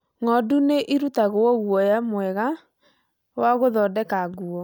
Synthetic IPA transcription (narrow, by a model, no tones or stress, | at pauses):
ŋɔduneʔiɾutaɣoɔɣwɔjamwɛɣa | waɣoðɔːdɛkaɡuɔ